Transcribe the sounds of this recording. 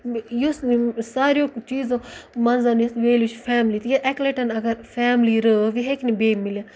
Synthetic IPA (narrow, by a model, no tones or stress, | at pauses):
jossaːɾijõt͡ʃiːzõmɐnzaːnisʋeːlit͡ʃfʰɛːmlit̪jaʔɛkleʈɐnɐɡɐɾfʰɛːmliɾəʋiɦeknibeːmːɪlija